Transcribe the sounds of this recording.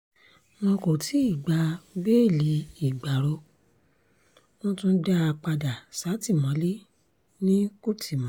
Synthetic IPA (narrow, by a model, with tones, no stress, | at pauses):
w̃ɔ̃˧ko˨tʰi˨˦i˦˨ɡ͡ba˧˦be˦˨li˨˦i˦˨ɡ͡ba˨ɾo˧ | w̃ɔ̃˦tũ˦da˦a˧k͡pa˧da˨sa˨˦ti˦˨mɔ̃˨˦li˦ | nĩ˦ku˦˨tʰi˨mɔ̃˨˦